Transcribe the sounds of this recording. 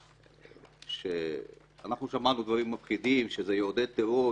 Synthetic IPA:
ʃe | anaχnuʃamanud̪vaʁimːafχid̪imʃezejod̪ed̪̚t̪eʁo

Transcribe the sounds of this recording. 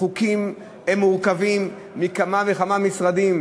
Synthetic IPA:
χukim | emːuʁkavimː | ikamaveχamamisʁad̪im

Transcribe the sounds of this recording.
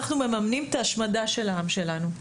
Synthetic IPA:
aχnume̞mamnimet̪aːʃmadaʃe̞laamʃe̞lanu

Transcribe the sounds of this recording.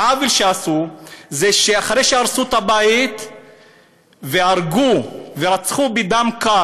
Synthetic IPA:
avilʃeasuzeʃeaχaʁejʃeaʁsut̪abait̪ | veaʁɡuveʁat͡sχubid̪amka

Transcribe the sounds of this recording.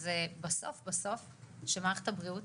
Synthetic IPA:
zebaso̰fbaso̞f | ʃemaeχe̥t̪abʁiut

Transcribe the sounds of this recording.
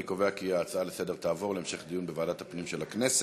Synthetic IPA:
ikoveakiaːt͡saalese̞de̞ʁt̪aːvo̞ʁleemʃe̞χd̪ijunbevaːdat̪hapnimʃelaknese

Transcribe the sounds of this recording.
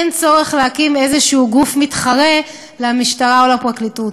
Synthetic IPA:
nt͡so̞ʁe̞χlehakimezeʃuuɡufmitχaʁe̞ | leamiʃtaʁaolapʁaklitut

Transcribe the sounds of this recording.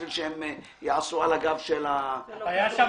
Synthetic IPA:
ilʃehem | jaʕasualaɡavʃelaajaʃa

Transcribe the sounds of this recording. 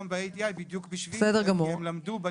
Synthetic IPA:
mbeejd̪iajbid̪jukbiʃbessɛdeʁɡamuʁmlamd̪ube

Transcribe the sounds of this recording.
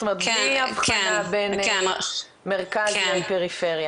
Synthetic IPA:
t̪omeʁet̪iavχanaben | meʁkazʃempeʁifeʁja

